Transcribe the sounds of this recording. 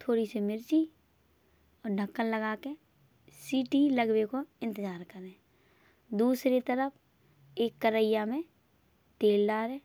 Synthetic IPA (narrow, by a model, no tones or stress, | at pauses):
t̪ʰoːɾisemɪɾt͡ʃi | ɔːɾɖʱəkːənləɡaːke | siːʈiləɡwekoɪ̃nt̪əzaːɾkəɾẽː | d̪uːsɾet̪əɾəpʰ | eːkːəɾəɪjamẽ | t̪eːlɖaːɾeː